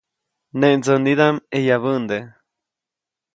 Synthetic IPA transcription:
neʔnd͡zəniðamejaβənd̪e

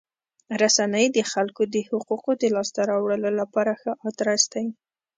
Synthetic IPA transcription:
ɾasanəjd̪əxalkod̪əhʊquqod̪əlɑst̪aɾɑwɽəlolapɑɾaxəʔɑt̪ɾasd̪aj

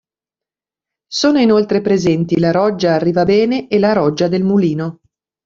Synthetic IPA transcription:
soːnoinolt̪ɾepɾezɛnt̪ilaɾɔd͡ʒːaːrːiːvabɛːneʔelaɾɔd͡ʒːad̪elmuliːno

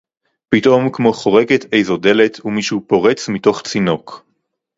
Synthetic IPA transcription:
pito̞mkmo̞χo̞ʁeɡetʰejzo̞de̞le̞tʰumiʃuːpo̞ʁe̞t͡smito̞χt͡sino̞k

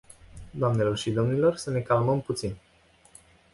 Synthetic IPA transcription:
d̪oamne̞lo̞rʃid̪o̞mnilo̞rsəne̞kalməmput̪sin

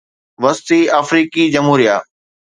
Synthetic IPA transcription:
ʋɐst̪iaːfɾiːkid͡ʑɐmɦuːɾijaː

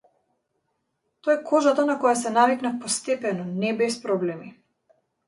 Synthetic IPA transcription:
t̪oɛkʰɔʒat̪anakɔjasɛnaviknafpɔst̪ɛpɛnɔnɛbɛspɾɔblɛmi

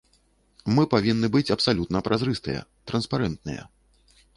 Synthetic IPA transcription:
mɨpavʲinːɨbɨt͡sʲɐpsalʲut̪nɐpɾʔazɾɨst̪ɨ̰jɛ̰t̪ɾɐnspaɾɛnt̪̚nɨ̰jɐ̰

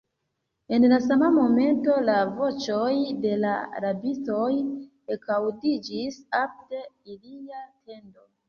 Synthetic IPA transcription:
e̞nlasamamo̞me̞nto̞lavo̞t͡ʃo̞jde̞laa̰ɾabit͡so̞j | ekawdid͡ʒisap̚te̞iliatʰe̞ndo̞

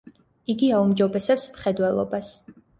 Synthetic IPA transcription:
iɡiaumd͡ʒɔbɛsɛpsmχɛd̪wɛlˠɔ̰bas

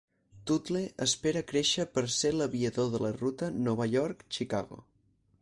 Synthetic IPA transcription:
t̪ut̪leʔəspeɾəkɾeʃəpəɾseləβiəðoðələrut̪ənɔβəʎɔɾkt͡ʃika̰ɣo̰

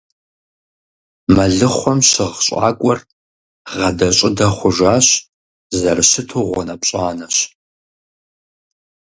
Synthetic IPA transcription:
mɐɮɨχʷɔmɕɪʁɕʼa̰ːkʷʼɔr | ʁɐdɐɕʼɪdɐχʷʊʒaːɕ | zɐrɨɕɨtʰuːʁʷɔnɐpɕʼaːnɐɕ

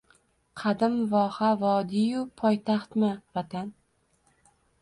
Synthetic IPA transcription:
qʰɑd̪ɪmvɒːhavɒd̪ijʊpʰɒjt̪ʰaχt̪mɪvat̪ʰan

